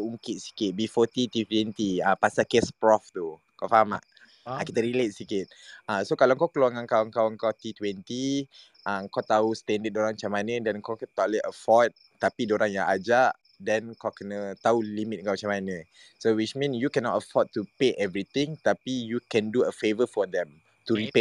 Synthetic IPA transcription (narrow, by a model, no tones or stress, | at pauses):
uŋkɪt̪̚si̥kɪt̪̚bifɔt̪it̪it̪wɛnt̪iapasakespɾɔft̪o | kafaɦama̰ʔ | ãkit̪əɾilet̪̚sikɪt̪̚asokalawŋkawkəluaŋãŋkawəŋkawəŋkawt̪it̪wɛnt̪i | ʔəŋkat̪aust̪ɛndət̚doɾaŋmat͡ʃamanə̃dɛnŋkakt̪ɔʔləəfɔd̚ | t̪apidoɾaŋjãŋʔad͡ʒaʔ | dɛnkawkənət̪aulimit̪̚ŋkawmt͡ʃamanə̃ | sowit͡ʃmĩnjukɛnɔtəfɔd̚t̪upeʔɛvɾit̪ɪ̃ŋt̪apijukɛ̃nduəfevəfɔd̪ɛ̃m | t̪uɾipe